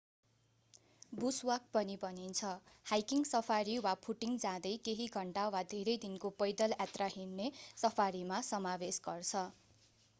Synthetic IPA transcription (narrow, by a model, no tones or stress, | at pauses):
buswak̚pʌnibʱʌnint͡sʰʌhajkiŋsʌpʰaɾiwapʰuʈiŋɡd͡zãd̪ʌjkeɦiɡʱʌɳʈawad̪ʱeɾʌjd̪inkopʌjd̪ʌlat̪raɦinnesʌpʰaɾimasʌmabesɡʌrt͡sʰʌ